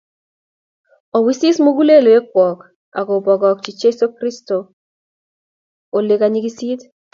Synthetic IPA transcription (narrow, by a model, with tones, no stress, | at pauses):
ɔ˨wi˦si˦smo˦ɡu˦le˦lo˨e˦kwɔ˨k | a̰˨ko˨bɔ˨ɡɔ˨k̚t͡ʃi˨t͡ʃe˦so˦kɾi˦sto˨ | o˨le˨ka˨ɲi˦ki˦si˦t